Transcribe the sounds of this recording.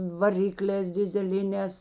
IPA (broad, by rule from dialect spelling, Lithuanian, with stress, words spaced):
ʋɐˈrʲɪklʲɛːs dʲɪzʲɛˈlʲɪnʲɛːs